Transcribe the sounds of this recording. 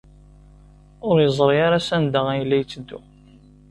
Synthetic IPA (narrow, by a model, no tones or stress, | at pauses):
ʊɾjəzˤɾˤjaɾasænd̪aʁæjlːæjt͡sːəd̪ːṵ